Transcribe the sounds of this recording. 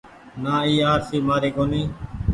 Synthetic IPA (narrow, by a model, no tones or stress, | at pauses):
naːiːaːɾsiːmaːɾeːkoːniː